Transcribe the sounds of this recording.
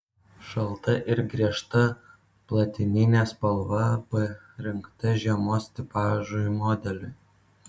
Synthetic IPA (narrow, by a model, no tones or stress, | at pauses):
ʃɐlˠt̪ɐʔɪɾɡɾʲiɛʃt̪ɐ | plˠɐt̪ʲɪnʲɪnʲɛspɐlˠʋɐbɐ | ɾʲɪŋkt̪ɐʒʲiɛmoːsʲt̪ʲɪpɑːʒʊmɔːd̪ʲɛlʲʊ